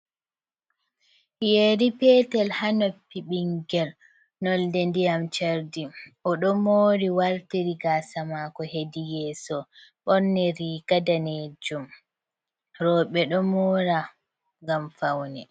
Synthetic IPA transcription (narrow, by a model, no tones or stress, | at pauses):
jeɾipɛːtɛlhanɔpːiɓiŋɡɛl | nɔldɛndijamt͡ʃaɾdiʔɔɗɔmoːɾiwaɾtiɾiɡasamakɔhedijɛːsɔɓɔɾnɛɾiɡadaned͡ʒum | ɾɔɓɛɗɔmoːɾa | ŋɡamfawnɛ